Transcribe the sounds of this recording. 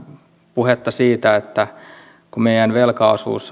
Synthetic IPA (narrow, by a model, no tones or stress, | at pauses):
puhet̪ːɑsiːt̪æet̪ːæ | kumeijænʋelkɑusṵːsː